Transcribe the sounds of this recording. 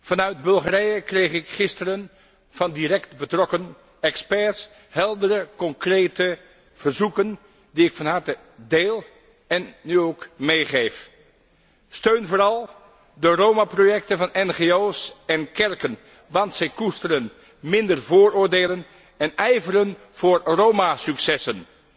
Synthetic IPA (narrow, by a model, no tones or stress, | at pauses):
v̥ɑnœɥd̚bɵlˠχarɛjəkrejχɪkχɪstərən | v̥ɑndirɛktbətrɔkən | ɛkspɛɹs | hɛlˠdəɾəkɔŋkrejtə | v̥əɹzukən | diɪkfɑnɦɑɹtə | deːlˠ | ɛnːyowkmejχejf | støɥnvʊːɾɑlˠ | dərowmaprojɛktənvɑnɛnχeowsɛnkɛɹkən | ʋɑntsɛjkustəɾən | mɪndəɹvʊːɹʊːɹdeːlən | ɛnɛjvəɾən | v̥ʊːɹrowmasyksɛsən